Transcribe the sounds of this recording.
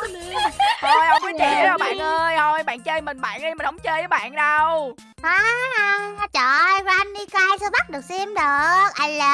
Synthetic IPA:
nɨ˨˦t̪ʰo˨˧jʔə˧wŋ͡mki˨˦t͡ɕḭ˧˨˦ə˨˩ɓa̰ː˧˨nʔəː˧jt̪ʰo˧jɓa̰ː˧˨nt͡ɕəː˧jmï˨˩ŋ̟ɓa̰ː˧˨nɗi˧mi˨˩nʔə˨˦wŋ͡mt͡ɕəː˧jəː˨˦ɓa̰ː˧˨nɗə˧w | haː˨˧˩ | t͡ɕɔ˧˨˩znɗi˧kɔ˧ʔaː˧jsɨ˧ɓa˦˥k̚ɗɨ˨˩ək̚sɛ˧mɗɨ˨˩ək̚ʔa˧˩jlə˨˩

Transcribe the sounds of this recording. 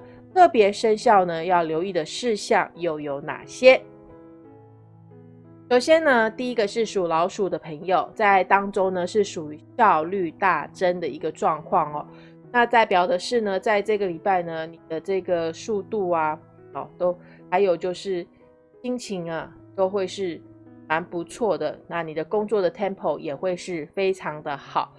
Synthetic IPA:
t̪ʰɤ˥˩pjɛ˧˥ʂə˥nɕjɑ˥˩ʊnə˩jɑ˥˩ʊljo˧˥ʊi˥˩d̪ə˩ʂɻ̩˥˧ɕjɑ˥˩ŋjo˥˩ʊjo˧˥ʊna̰˨˩ɕjɛ˦ | ʂo˨˩ʊɕjɛ˥nə˧t̪i˥˩i˦˥ɡə˨ʂɻ̩˥˩ʂu˨˩lɑ˧˥ʊʂu˨˩d̪ə˦pʰə˧˥ŋjo˨˩ʊt͡sa˥˩ɪt̪ɑ˥ŋʈ͡ʂo˥ŋnə˨ʂɻ̩˥˩ʂu˨˩i˦ɕjɑ˥˧ʊly˥˧t̪a˥˩ʈ͡ʂə˦nd̪ə˨i˧˥ɡə˧ʈ͡ʂwɑ˥˧ŋkʰwɑ˥˩ŋɔ̰˩ | na˥˧t͡sa˥˩ɪpjɑ˨˩ʊd̪ə˦ʂɻ̩˥˩nə˩t͡sa˥˧ɪʈ͡ʂɤ˥˩ɡə˨li˨˩pa˥˩ɪnə˩ni˨˩d̪ə˦ʈ͡ʂɤ˥˩ɡə˩ʂu˥˧t̪u˥˩a˨ | ɔ˨t̪o˥ʊ | xa˧˥ɪjo˨˩ʊt͡ɕjo˥˧ʊʂɻ̩˥˩ | ɕi˥ŋt͡ɕʰi˧˥ŋa˧t̪o˥ʊxwe˥˧ɪʂɻ̩˥˩ma˧˦npu˧˦t͡sʰwɔ˥˩d̪ə̰˩na˥˩ni˨˩d̪ə˦ko˥ŋt͡swɔ˥˩d̪ə˩t̪ʰjɛ˥˧npʰo˨˧˩ʊjɛ˨˩xwe˥˧ɪʂɻ̩˥˩fe˥ɪʈ͡ʂʰɑ˧˥ŋd̪ə˧xɑ̰˨˩˦ʊ

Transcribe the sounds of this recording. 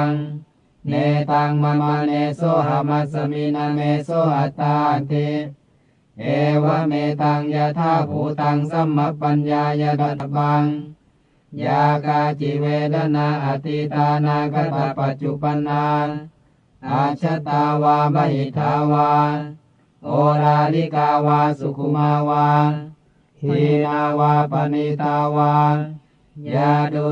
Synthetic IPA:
ŋ | neː˧t̪aː˧ŋma˧na˧neː˧so˦˥˩ɦa˧˦ma˧t̪̚sa˧mi˧na˧meː˧so˦˥˨ʔa˨t̪ːaː˧ʔa˨nt̪i˧ | ʔɛː˨˧wa˦˥˨meː˧t̪aː˧ŋjaː˧t̪ʰaː˥˨pʰuː˨˦t̪a˧ŋsa˧˥˨mːa˦k̚pːa˧njaː˧jaː˧da˧˦t̪ba˧ŋ | jaː˧kaː˧t͡ɕi˧˦weː˧da˧˨na˧ʔa˨˧t̪i˧t̪aː˧naː˧ka˧˦t̪a˨˦pːa˨˧t̪̚t͡ɕu˧pa˧nːaː˧ | ʔaː˧˩t͡ɕʰa˦t̪aː˧waː˧ba˧ɦi˨˦t̪ʰːaː˨˦waː˧ | ʔo˧ɾaː˧li˦˨kaː˧waː˧su˨˧kʰu˧˦maː˧waː˧ | hi˨˧˦naː˧waː˧pa˧ni˧t̪aː˧waː˧ | ja˧du˧

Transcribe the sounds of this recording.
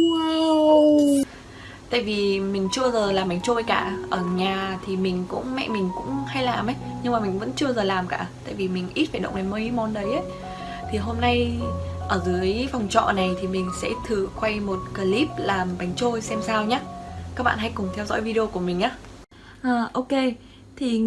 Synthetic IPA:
wa˧ | t̪a̰ː˧˨jvi˨˩mï˨˩ŋ̟t͡ɕɨ˧əzəː˨˩laː˨˩mɓa˨˦jŋ̟t͡ɕo˧jkaː˧˩ʔəː˧˩ɲaː˨˩t̪ʰi˨˩mï˨˩ŋ̟kʊ̰˧˥ŋ͡mmɛ̰˧˨mï˨˩ŋ̟kʊ̰˧˥ŋ͡mha˧jlaː˨˩mʔə˨˦jɲɨ˧ŋmaː˨˩mï˨˩ŋ̟və̰˧˥nt͡ɕɨ˧əzəː˨˩laː˨˩mkaː˧˩t̪a̰ː˧˨jvi˨˩mï˨˩ŋ̟ʔi˦˥t̚faː˧˩jɗə̰˧˨ŋ͡mʔɗe˨˦nməː˧hi˨˦mɔ˨˦nɗə˨˦jʔə˨˦j | t̪ʰi˨˩ɦo˧mna˧jʔəː˧˩zɨ˨˦ə˦jfa˨˩wŋ͡mt͡ɕɔ̰˧˨na˨˩jt̪ʰi˨˩mï˨˩ŋ̟sɛ̰˧˥t̪ʰɨ˨˩kwa˧jmo˨˩t̚kəː˨˧˩li˦˥p̚laː˨˩mɓa˨˦jŋ̟t͡ɕo˧jsɛ˧msaː˧wɲaː˦kaː˦˥k̚ɓa̰ː˧˨nha˧˦jkʊ˨˩ŋ͡mt̪ʰɛ˧wzɔ̰˧˥jvi˧ɗi˧o˧ku˧˩əmï̟˨˩ʔaː˨˦ | ʔaː˨˩ʔo˧wke˧ | t̪ʰi˨˩

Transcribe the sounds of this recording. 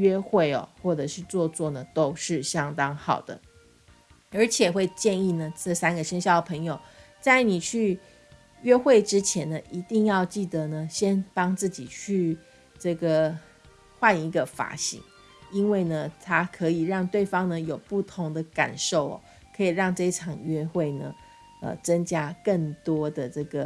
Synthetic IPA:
ɥɛ˥xwe˥˩ɪɔ̰˨˩xwɔ˥˩ʈ͡ʂɤ˨˩ʂɻ̩˥˧t͡swɔ˥˧t͡swɔ˥˩nə˩t̪o˥ʊʂɻ̩˥˩ɕjɑ˥ŋt̪ɑ˥ŋxɑ˨˩ʊd̪ə̰˦ | ə˞˧˥t͡ɕʰjɛ˨˩xwe˥˧ɪt͡ɕjɛ˥˧ni˥˩nə˩ʈ͡ʂə˥˩sa˥nɡə˨ʂə˥nɕjɑ˥˩ʊd̪ə˩pʰɤ˧˥ŋjo˨˩ʊ | t͡sa˥˩ɪni˨˩t͡ɕʰy˥˩ | ɥɛ˥xwe˥˩ɪʈ͡ʂɻ̩˥t͡ɕʰjɛ˧˥nnə˨ʔi˧˥t̪i˥˧ŋjɑ˥˧ʊt͡ɕi˥˩d̪ə˩nə˨ɕjɛ˥nt̪ɑ˥ŋt͡sɹ̩˥˩t͡ɕi˨˩t͡ɕʰy˥˧ | ʈ͡ʂɤ˥˩ɡə˩ | xwa˥˧ni˧˥ɡə˨fa̰˨˧˥ɕḭ˧˥ŋ | i˥nwe˥˩ɪnə˩t̪ʰa˥kʰɤ˧˦˥i˨˩ɻɑ˥˧ŋt̪we˥˩ɪfɑ˥ŋnə˨jo˨˩ʊpu˥˩t̪ʰʊ˧˥ŋd̪ə˧ka̰˨˩nʂo˥˩ʊɔ̰˨˩ | kʰɤ˧˥i˨˩ɻɑ˥˧ŋʈ͡ʂɤ˥˧i˥ʈ͡ʂʰɑ˨˩ŋɥɛ˥xwe˥˩ɪnə̰˩ | ə̰˨˩t͡sə˥ŋt͡ɕja˥kə˥˩ŋt̪wɔ˥d̪ə˨ʈ͡ʂɤ˥˩ɡə˩

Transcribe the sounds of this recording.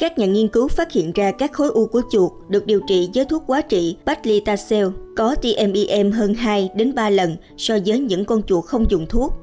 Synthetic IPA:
kaː˦˥k̚ɲaː˨˩ŋi˧ənkɨ˨˦wfaː˦˥t̚hḭ˧˨ənzaː˧kaː˦˥k̚xo˨˦jʔu˧ku˧˩ət͡ɕu˨˩əkɗɨ˨˩ək̚ɗi˨˩əwt͡ɕḭ˧˨zəː˨˦jt̪ʰu˦˥ək̚kwaː˨˦t͡ɕḭ˧˨ɓa˦˥t̚li˧t̪aː˧sɛ˧wkɔ˨˦t̪i˧ʔɛ˧mʔi˧ʔɛ˧mɦəː˧nɦaː˧jɗe˨˦nɓaː˧lə˨˩n | sɔ˧zəː˨˦jɲɨ̰˧˥ŋkɔ˧nt͡ɕu˨˩ək̚xə˧wŋ͡mzʊ˨˩ŋ͡mt̪ʰu˦˥ək̚

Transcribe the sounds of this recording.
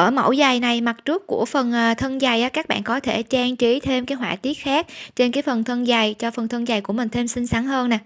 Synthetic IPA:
ʔəː˧˩mə̰˧˩wza˨˩jna˨˩jma˨˩t̚t͡ɕu˦˥əkku˧˩əfə˨˩nʔːt̪ʰə˧nza˨˩jʔaː˨˦kaː˦˥k̚ɓa̰ː˧˨nkɔ˨˦t̪ʰe˧˩t͡ɕaː˧ŋt͡ɕi˨˦t̪ʰe˧mkaː˨˦jɦwa̰ː˧˨˩t̪i˦˥ət̚xaː˦˥k̚t͡ɕe˧nkaː˨˦jfə˨˩nt̪ʰə˧nza˨˩jt͡ɕɔ˧fə˨˩nt̪ʰə˧ŋzaː˨˩jku˧˩əmï˨˩ŋ̟t̪ʰe˧msï˧ŋ̟sa˨˦ŋhəː˧nːaː˨˩

